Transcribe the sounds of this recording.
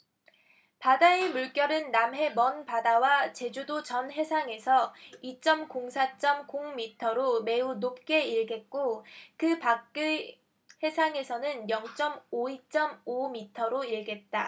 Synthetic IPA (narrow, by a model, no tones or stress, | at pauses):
padaemuɭk͈jʌɾɯnːamɦe̞mʌnpadawat͡ɕe̞d͡ʑudot͡ɕʌnɦe̞sʰaŋe̞sʰʌit͡ɕ͈ʌmkoŋsʰat͡ɕ͈ʌmkoŋmitʰʌɾome̞unop̚k͈e̞iɭɡe̞t̚k͈okɯpakk͈ɯ | he̞sʰaŋe̞sʰʌnɯnjʌŋt͡ɕ͈ʌmoit͡ɕ͈ʌmomitʰʌɾoiɭɡe̞t̚t͈a